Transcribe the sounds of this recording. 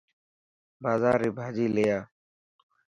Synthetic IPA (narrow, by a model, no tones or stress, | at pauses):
baːzaːɾiːbʱaːd͡ʒiːleːjaː